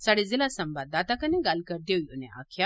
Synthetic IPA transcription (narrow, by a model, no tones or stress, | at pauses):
saɽezilasɐmbad̪at̪akɐneɡalkəɾd̪ewjuneʔa̰kʰja